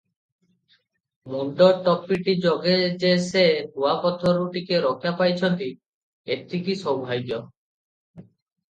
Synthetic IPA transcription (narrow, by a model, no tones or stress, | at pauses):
munɖ̪ɔʈɔpːiʈid͡ʒɔɡed͡ʒesetuapɔt̪ʰɔɾuʈikeɾɔkʰjapajt͡ʃʰɔnt̪i | et̪ʰːikisɔbʱajɡjɔ